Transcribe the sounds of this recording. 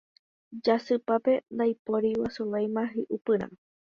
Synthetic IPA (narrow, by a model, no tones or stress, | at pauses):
d͡ʒasɨpape̞nd̪ajpoɾiwasulajmãɦiʔupɨɾ̃ã̰